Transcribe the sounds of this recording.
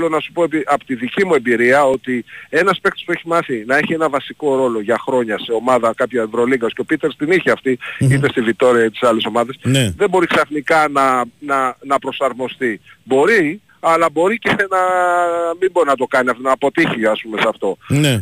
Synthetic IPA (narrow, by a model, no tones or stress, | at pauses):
lo̞nɐsu̥po̞piʔɐpot̪iðicimue̞mbiɾiɐo̞t̪ie̞nɐspe̞k̚t̪ospue̞çimɐθinɐe̞çie̞nɐvɐsiko̞ɾo̞lo̞ʝɐxɾo̞ɲɐse̞o̞mɐðɐkɐpçɐevɾo̞liɡɐsceo̞pit̪e̞ɾst̪iniçiɐft̪iit̪e̞st̪ivit̪o̞ɾiɐt̪i̥sɐle̞so̞mɐðe̞snðebo̞ɾiksɐθnikɐnɐnɐnɐpɾo̞sɐɾmo̞st̪ibo̞ɾi | ɐlɐbo̞ɾicenɐ | miboɾinɐt̪̬o̞kɐniɐft̪onɐpo̞t̪içiɐspume̞sɐft̪o̞ne